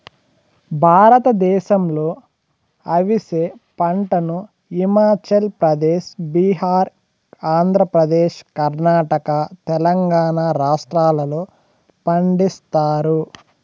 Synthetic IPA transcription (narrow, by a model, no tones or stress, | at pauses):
bʱaːɾɐt̪ɐd̪ɛːʃɐmlo̞ː | ɐʋiseː | pɐɳʈɐnu | imaːt͡ʃɐlpɾɐd̪eːʃbiɦaːɾ | aːnd̪ʱɾɐpɾɐd̪eːʃkɐɾnaːʈɐkɐt̪ɛlɐŋɡaːnaːɾaːʂʈɾaːlɐloː | pɐɳɖist̪aːɾu